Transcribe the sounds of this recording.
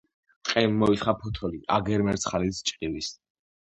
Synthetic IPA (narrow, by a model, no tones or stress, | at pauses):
t̪ʼqʼɛnːɔit̪χapʰɔt̪ʰɔliʔaɡɛɾmɛɾt̪sʰχalit̪st͡ʃʼqʼilis